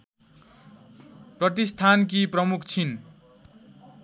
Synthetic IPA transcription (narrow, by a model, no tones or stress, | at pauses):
prʌt̪ist̪ʰank̬iprʌmukʰt͡sʰin